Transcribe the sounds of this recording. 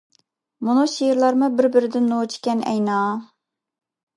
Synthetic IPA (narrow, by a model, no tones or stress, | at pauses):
munuʃejɾlˠɑɾmʊbɪɾbɪɾɪd̪ɪnːot͡ʃʰi̥kʲɛnɛ̰jnɑː